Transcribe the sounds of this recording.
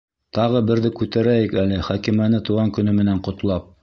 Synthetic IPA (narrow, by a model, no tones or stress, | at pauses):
t̪ɑʁɤbɘ̆ɾðɘkʉt̪æɾæjɘkælɘχækimænɘt̪uʁɑŋkɵ̆nɵmɘ̆næɴqŏt̪lˠɑp̚